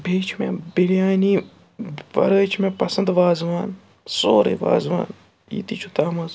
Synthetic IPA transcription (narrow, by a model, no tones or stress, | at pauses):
beːt͡ʃʰmʲebiljaːniː | ʋɐ̰ɾəːt͡ʃʰmẽpɐsɐnd̪ʋaːzʋaːn | soːɾɨ̰ːʋa̰ːzʋa̰ːn | jḭt̪iːt͡ʃʰut̪aːmɐz